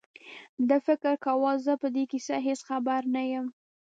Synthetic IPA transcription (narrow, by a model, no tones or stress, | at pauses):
d̪əfɪkɾkawɑzəpəd̪ekisaɦesxabaɾnajəm